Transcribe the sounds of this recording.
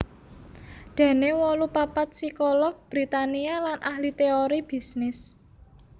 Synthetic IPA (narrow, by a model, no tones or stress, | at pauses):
d̪̥ä̤newɔlupapat̪̚sikɔlɔk̚b̥ɾit̪anialanʔahlit̪eoɾib̥i̤snɪs